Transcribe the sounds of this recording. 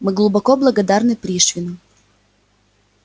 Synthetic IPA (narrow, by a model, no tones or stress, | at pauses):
mɨɡlˠʊbɐkoblˠɐɡɐd̪arnɨpɾʲiʂvʲɪnʊ